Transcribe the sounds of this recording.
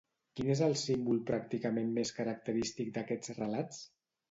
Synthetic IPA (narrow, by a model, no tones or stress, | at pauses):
kinezəlˠsimbulˠpɾak̚t̪ikəmemmeskəɾək̚t̪əɾist̪ik̚d̪əkɛd͡zrəlat͡s